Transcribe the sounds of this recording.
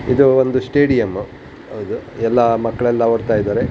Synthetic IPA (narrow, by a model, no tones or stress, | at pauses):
ḭd̪uond̪usʈeːɽijɐmu | ɐwd̪uɛlːɐmɐkːɐɭɛlːɐʋɐɽt̪aːjid̪aːɾe